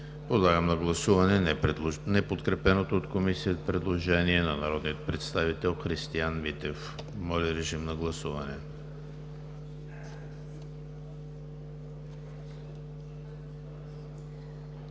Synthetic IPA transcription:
pod̪lˠaɡəmnɐɡlˠɐsuvɐnɛnnɛpot̪kɾɛpɛnot̪oːt̪komisiəzpɾɛd̪lˠoʒɛniɛnɐnɐɾɔd̪nijət̪̚pɾɛt̪st̪avit̪ɛlˠxɾist̪ianmit̪ɛf | mɔlʲiɾɛʒimnɐɡlˠɐsuvɐnɛ

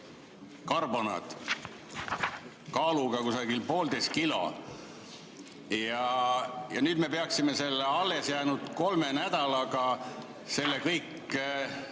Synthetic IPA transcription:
kɑrbo̞nɑ̰d̪̥ | kɑːluɡ̥ɑkusɑɡ̥ilpo̞ːld̪ejst̪̚kilo̞̰ | jɑjɑnyːd̪me̞peɑksime̞se̞lːeɑlːe̞sjæːnud̪̥ko̞lmenæd̪̥ɑlɑɡ̥ɑ | se̞lːekɤjkː

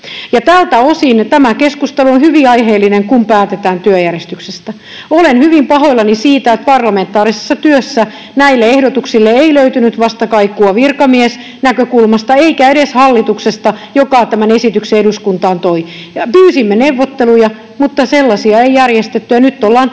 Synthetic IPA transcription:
jɑt̪æːlt̪æosint̪æmækeskust̪eluonhyʋiɑiɦeːlːineŋkumpæːt̪et̪æːnt̪yøjærest̪yksest̪æ | olenhyʋimpɑɦoilːɑnisiːt̪æet̪̚pɑrlɑment̪ːˑɑːɾise̥sːɑt̪yøsːæ | næilːeehdot̪uksilːeeiløyt̪ynyt̪ʋɑst̪ɑkɑikːuɑʋirkɑmies | nækøkulmɑst̪ɑeikæeɾeshɑlːit̪uksest̪ɑjokɑˑt̪æmænesit̪ykseeduskunt̪ɑːnt̪oi | ɑpyːsimːeneʋːot̪ːelujɑ | mut̪ːɑselːɑsiɑeijærjest̪et̪ːyjɑnyt̪ːolːɑːn

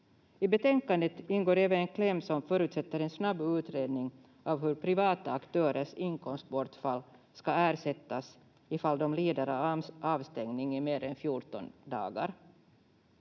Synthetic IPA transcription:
ɪbɛt̪ʰɛŋkand̪ət̪ɪnɡoːɾeːvənɛnkʰlɛmːsɔmfœːɾʉ̟ːt̪sɛt̪ːəɾɛnsnabːʉ̟ːt̪ɾeːd̪nɪŋ | ʔavɦɵɾpʰɾɪvɑːt̪aːkt̪ʰøːɾəʂɪŋkʰɔmst̪̚bɔʈfalː | skaæːɾʂɛt̪ːas | ɪfald̪ɔmliːd̪aɾəʔɑːvst̪ɛŋnɪŋɪmeːɾɛnfjuʈɔ̰nd̪ɑ̰ːɡa̰ɾ

